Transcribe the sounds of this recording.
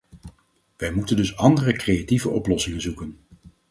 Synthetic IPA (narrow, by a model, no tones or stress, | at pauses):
ʋɛjmutəndɵsɑndərəkrejativəʔɔplɔsɪŋənzukən